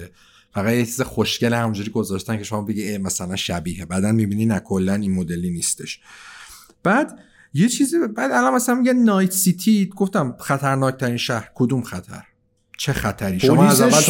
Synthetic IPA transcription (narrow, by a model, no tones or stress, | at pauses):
e | fæɣæt̪jet͡ʃʰizexoʃcelehæmund͡ʒuːɾiːɡo̞zɒːʃt̪æncʰe̞ʃo̞mɒːbe̞ɟiemæsælænʃæbiːhebæːd̪ænmibiːninækʰolːæninmod̪e̞liniːst̪e̞ʃ | b̥æːd̪ | je̞t͡ʃʰiːzibæd̪ælɒnmæsælænmijænɒːj̪sit̪ʰiɡoft̪æmχæt̪ʰæɾnɒːc̚ʰt̪ʰæɾiːnʃæhɾkʰod̪umxæt̪ʰæ̰ɾ | t͡ʃʰexæt̪ʰæɾiːʃomæzææ